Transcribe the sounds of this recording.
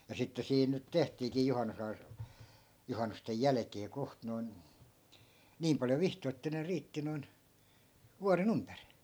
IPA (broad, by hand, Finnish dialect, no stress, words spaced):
jɑ sitːe siːn nyt tehtiːkiː juhɑnːusɑi juhɑnːustej jælækeː koht noi̯n niːm pɑljo ʋihtoi̯ etːæ ne riːtːi noi̯n ʋuɑren ympæri̥